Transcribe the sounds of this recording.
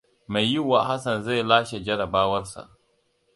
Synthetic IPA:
ma˨jjːi˦wːa˨ha˦sa˨nza˦˨jlaː˦ʃe˨d͡ʒɐ˦ɾa˨baː˦wɐ˦ɾsa̰˨

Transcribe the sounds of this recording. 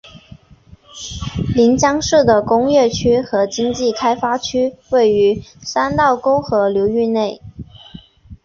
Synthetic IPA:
li˧˥nt͡ɕjɑ˥ŋʂɻ̩˥˩d̪ə˩kʊ˥ŋɥɛ˥˩t͡ɕʰy˥xɤ˧˥t͡ɕi˥ŋt͡ɕi˥˩kʰa˥ɪfa˥t͡ɕʰy˥we˥˩ɪy˧˥sa˥nt̪ɑ˥˩ʊko˥ʊxɤ˧˥ljo˧˥ʊy˥˧ne˥˩ɪ

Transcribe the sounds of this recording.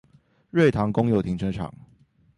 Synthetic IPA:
ɻwe˥˨ɪt̪ʰɑ˨˧˥ŋkʊ˥ŋjo˨˩ʊt̪ʰi˧˥ŋʈ͡ʂʰə˧˥ʈ͡ʂʰɑ̰˨˩˦ŋ

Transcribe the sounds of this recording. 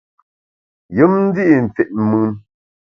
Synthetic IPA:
jɨ˨˦mn̩˦di˦ʔi˨n̩˨t͡se˨ʔ̚mɨ˦n

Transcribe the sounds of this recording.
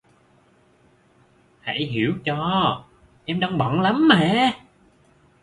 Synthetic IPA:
ha̰˧˥˩jɦi˧˩əwt͡ɕɔ˧ | ʔɛ˧mɗaː˧ŋɓɔ˧˨nla˨˦mːɛ̰ː˧˨˩

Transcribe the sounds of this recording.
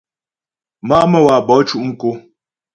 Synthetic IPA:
ma˦mə˦˨wa˨bɔ˨˦t͡ʃu˦ʔŋ̩˦ko˦

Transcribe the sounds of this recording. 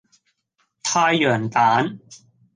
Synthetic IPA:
t̪ʰaː˧jːɯ˨˩ənt̪aː˩˦˥n

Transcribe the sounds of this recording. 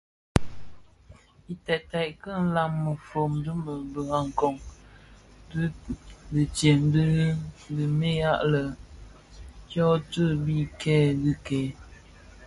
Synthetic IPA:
i˨tɛ˨ta˨ʔkə˦˨n̩˦la˨mːə˨fo˨mdu˦mə˨bə˨ɣa˨ŋ˨kɔ˨ŋ˦ | bə˨tje˨m˦bə˨me˦ja˦ʔlə˨ | kjɔ˦tə˦bi˦kʰɛː˦dɨ˦kɛ˨˦

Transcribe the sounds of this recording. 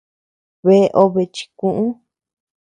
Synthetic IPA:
βe˧˦˧ʔo˧βe˧t͡ʃi̥˧kũ˦ʔũ˦

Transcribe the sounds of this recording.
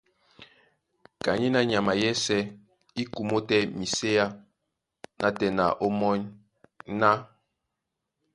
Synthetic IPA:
ka˨ɲi˦na˦ɲa˨ma˨jɛ˦sɛ˦ | i˦ku˨mo˦tɛ˦mi˨se˦ja˦ | nʔa˦tɛ˨na̰˨ʔo˦mɔ˦ɲ | na˦

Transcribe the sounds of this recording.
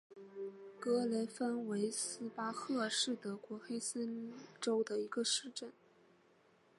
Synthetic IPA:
kɤ˥le˧˥fə˥nwe˧˥ɪsɹ̩˥pa˥xɤ˥˧ʂɻ̩˥˩t̪ɤ˧˥kwɔ˧˥xe˥ɪsə˥nʈ͡ʂo˥ʊd̪ə˨i˧˥ɡə˧ʂɻ̩˥˧ʈ͡ʂə˥˩n

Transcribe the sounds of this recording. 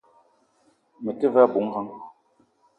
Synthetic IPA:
mə˨tə˦va˦˨bu˨˦ŋ˦ha˦ŋ

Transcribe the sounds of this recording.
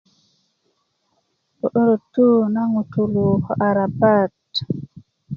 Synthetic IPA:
ʔɔ˨ɗo˦ɾo˨tːu˦na˦ŋutu˨lu˨hɔ˨ʔaɾabat

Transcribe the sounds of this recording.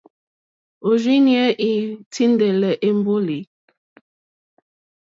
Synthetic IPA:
o˨d͡ʒi˦njɛ˦ʔi˦tʰi˦ndɛ˨lɛ˨ʔe˦m˦bo˦li˨

